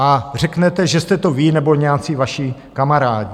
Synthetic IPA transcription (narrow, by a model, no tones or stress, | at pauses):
ʔar̝ɛknɛt̪ɛʒɛst̪ɛt̪o̞viːnɛbo̞ɲɛat͡sivaʃikamaɾaːɟi